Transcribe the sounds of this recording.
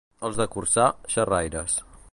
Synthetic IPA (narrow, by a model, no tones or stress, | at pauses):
əlˠzðəkursaʃərajɾəs